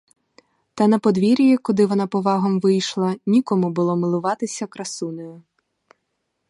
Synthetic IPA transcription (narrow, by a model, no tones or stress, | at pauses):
t̪ɐnɐpɔd̪ʋʲiɾʲjikɔd̪ɪʋɔnɑpɔʋɑɦɔmʋɪjʃlˠɐnʲikɔmʊbʊlˠɔmɪlˠʊʋɑt̪ɪsʲɐkɾɐsunɔjʊ